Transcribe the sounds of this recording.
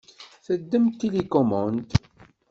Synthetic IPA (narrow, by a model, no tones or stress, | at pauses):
θəd̪ːəmt̪ːilikɔmɑnt̪